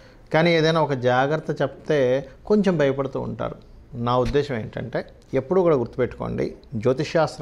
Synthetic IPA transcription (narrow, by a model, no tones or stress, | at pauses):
kaːniːe̞ːd̪ɐjnaːɔkɐd͡ʒaːɡɾɐt̪ːɐt͡ʃept̪e̞ːko̞ɲt͡ʃe̞mbʱɐjɐpɐɽut̪ṵːɳʈa̰ːɾu | naːud̪ːɛːʃɐme̞ːɳʈɐ̰ɳʈe̞ː | epːuɽuːkuːɽaːɡuɾt̪ːupeʈːu̥ko̰ːɳɖḭd͡ʒoːt̪iʃaːst̪ɾ